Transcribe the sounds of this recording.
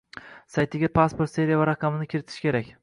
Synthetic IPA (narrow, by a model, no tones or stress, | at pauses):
sajt̪ʰɪɡʲapʰaspo̞ɾt̪se̞ɾijavaɾaqʰɑmɪnɪkʲʰɪɾɪt̪ʰɪ̥ʃkʲe̞ɾakʲ